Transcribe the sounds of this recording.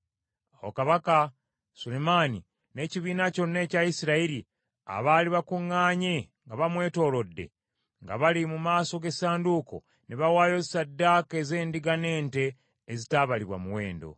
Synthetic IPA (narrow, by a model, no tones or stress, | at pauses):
awo̰kaβaka | sulemani | ne̞ciβiːnaco̞nːe̞ːcajisiɾaiɾi | a̰βaliβakuŋːaːɲe | ŋɡaβamwe̞ːto̞ːlo̞dːe̞̰ | ŋɡa̰βalimumaːso̞ɡe̞saːnduːko̞̰ | neβawaːjo̞zsadːake̞ze̞ːndiɡane̞ːnte̞ː | zitaːβaliβwa̰muwe̞ːndo̞̰